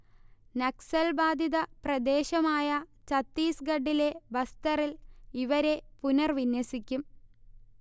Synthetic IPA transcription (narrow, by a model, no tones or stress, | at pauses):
nɐksɐlbaːd̪ʱiðɐprɐd̪e̞ːɕɐmaːjɐt͡ɕɐt̪ːiːsɡɐɖːile̞bɐst̪ɐriliʋɐɾe̞punɐrʋinwɐsikʲːum